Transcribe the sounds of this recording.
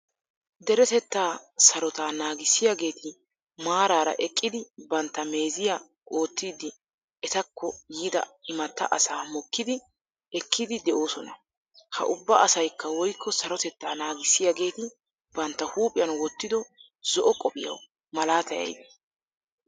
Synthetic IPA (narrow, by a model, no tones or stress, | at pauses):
d̪ɛɾɛt̪ɛt̪ːaːsɐɾɔt̪aːnaːɡɪsːɪjaɡe̞ːt̪ɪ | maːɾaːɾɐ̰ʔɛkʼːɪd̪ɪbɐnt̪ːɐme̞ːzɪja | ʔo̞ːt̪ːiːd̪ɪ | ɛt̪ɐkːɔjiːd̪ɐ̰ɪmɐt̪ːɐ̰ʔɐsaːmɔkːɪd̪ɪ | ɛkʰːɪd̪ɪd̪ɛʔo̞ːsɔnɐ̰ | hɐ̰ʔʊbːɐɐsɐjkːɐwɔjkːɔsɐɾɔt̪ɛt̪ːaːnaːɡɪsːɪjaɡe̞ːt̪ɪ | bɐnt̪ːɐhuːpʼɪjɐnwɔt̪ːɪd̪ɔ | zɔʔɔkʼːɔpʼɪjɐ̰w | mɐlaːt̪ɐjɐ̰jd̪ɛ